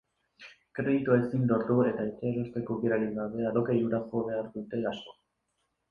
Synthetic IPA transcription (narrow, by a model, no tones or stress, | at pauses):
kɾe̞ðit̪ue̞sind̪o̞ɾt̪ue̞t̪ait͡ʃeɾest̪e̞koβiɾaɾiɣaβe̞aɾokejuɾasoβe̞aɾd̪ut̪e̞asko̞̥